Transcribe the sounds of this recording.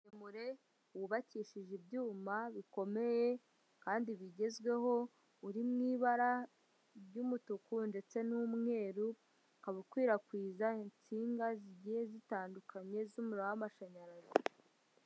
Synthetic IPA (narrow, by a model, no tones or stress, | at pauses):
imuɾe̞ | wuβaciːʃiʒibjuːmaβiko̞me̞je̞ | kaːndiβiɟe̞zɡwe̞ɦo̞ | uɾimŋiːβaɾa | ɟuːmutukunde̞t͡se̞nuːmŋe̞ːɾu | kaβukwiːɾakwiːzaint͡siːŋɡaziɟije̞zitaːndukʰaɲe̞zuːmuɾowamaʃaɲaɾaze